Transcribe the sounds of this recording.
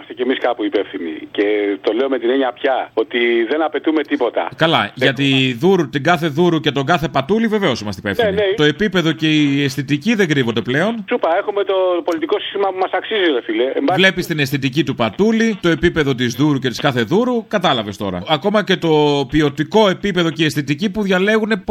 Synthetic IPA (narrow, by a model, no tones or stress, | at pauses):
ɐst̪ecemiskɐpuipefθinḭce̞t̪o̞leomet̪ineɲɐpçɐot̪iðe̞nɐpe̞t̪ume̞t̪ipo̞t̪ɐ̰kɐlɐʝɐt̪iðuɾut̪iɡɐθe̞ðuɾucet̪o̞ɡɐθe̞pɐt̪ulive̞ve̞o̞simɐst̪ipefθnininet̪o̞e̞pipe̞ðo̞ce̞iesθit̪iciðe̞ɡɾivo̞nd̪eple̞o̞nsupɐe̞xumet̪o̞polit̪iko̞si̥st̪imɐpumɐsɐksizilefileembɐvle̞pist̪ine̞sθit̪icit̪upɐt̪ulit̪o̞e̞pipe̞ðo̞t̪izðuɾucet̪i̥skɐθe̞ðuɾukɐt̪ɐlɐve̞st̪o̞̰ɾɐ̰ɐko̞mɐce̞t̪o̞piot̪iko̞e̞pipe̞ðo̞ceesθit̪icipuðʝɐle̞ɣune̞